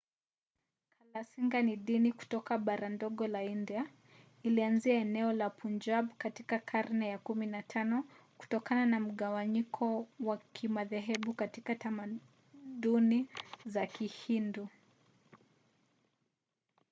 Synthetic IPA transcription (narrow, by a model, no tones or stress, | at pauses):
kʰalasiŋɡaniɗiniku̥tɔkaɓaɾandɔɠɔlaindia | ilianziaɛnɛɔlapund͡ʒabkatikakʰaɾnɛjakuminatʰanɔ | ku̥tɔkananam̩ɠawaɲikʰɔwakʰimaðɛɦɛɓukatikatama | ɗunizakihindu